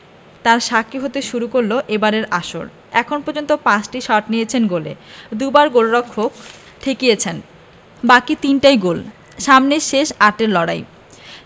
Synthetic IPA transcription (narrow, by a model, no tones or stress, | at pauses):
t̪aɾʃakiɦot̪eʃuɾukoɾloʔebaɾeɾaʃo̰ɾ | ɛkʰonpɔɾd͡ʑont̪opãt͡ɕʈiʃɔʈnijet͡ɕʰenɡolḛd̪ubaɾɡolɾɔkʰːok | t̪ʰekijet͡ɕʰen | bakit̪inʈajɡol | ʃamneʃeʃaʈeɾlɔɽa̰j